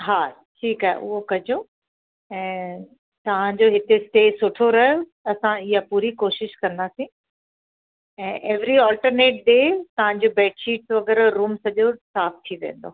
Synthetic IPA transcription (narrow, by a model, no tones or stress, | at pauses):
ɦaː | ʈʰiːkaɦɛ̰ʔʊ̰ɦokɐd͡ʑo | ɛ̃ː | t̪ɐʋ̤ãɲd͡ʑoɦɪt̪esʈeːsʊʈʰoɾɐɦjo | ɐsãɪɦapuːɾikoːʃɪʃkɐ̃nd̪aːsĩ | ɛ̃ːʔɛːʋɾiɔːlʈəɾneːʈ̚ɖeːt̪ɐʋ̤ãɲd͡ʑobɛːʈʃiːʈsʋɐɡɛɾɾuːmsɐʄosaːft̪ʰiʋḛ̃ːnd̪o̰ː